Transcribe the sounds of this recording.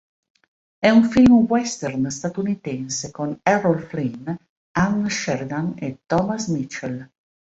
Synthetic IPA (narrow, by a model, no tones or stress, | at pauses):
ɛuɱfilmwɛst̪ɛrnst̪at̪unit̪ɛnsekonɛrɔlflin | annʃɛɾd̪anet̪ɔmasmit͡ʃːel